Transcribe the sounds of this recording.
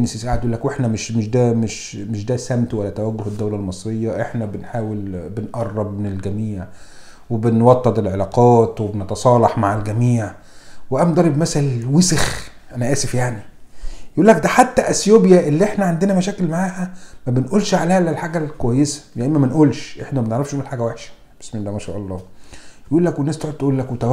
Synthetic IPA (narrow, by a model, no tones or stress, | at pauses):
nːesisʔaʕad̪jʔulːækweħnæmeʃmeʃd̪æːmeʃ | meʃd̪æːsæmt̪wælːæt̪æwæɡːʊhed̪ːæwlælmɑsˤɾejːɑʔeħnæbenħaːwelbenʔɑrˤːɑbmenelɡæmiːʕ | webenwɑt̪ˤːɑd̪ˤelʕelɑːqɑːt̪webnet̪ɑsˤɑːlɑħmaʕalɡæmiːʕ | weʔæmnd̪ˤɑɾˤebmæsælwesex | ʔænæʔæːsefjaʕnijjʔuːlːæk̚d̪æħat̪ːæʔæsjoːbjæʔelːiʔeħnæʕand̪enæmæʃæːkelmaʕaːhæmæbenʔuːlʃʕaleːhlælħaːɡælkowæjːesæ̥jæʔimæmænʔuːlʃʔeħnæmæneʕɾɑfʃʔuːlħaːɡæwæħʃæ̥ | b̥esmd̪æmæʃæ̰ːʔɑlˤːɑːjʔuːlːækwenːæːst̪oʕod̪̚t̪ʔuːlːækwet̪æ